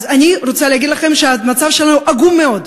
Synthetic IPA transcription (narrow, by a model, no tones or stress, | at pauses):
zaniɾot͡saleɦaɡid̪laχe̞mʃeamat͡savʃelanuʔaɡumːeo̞d̪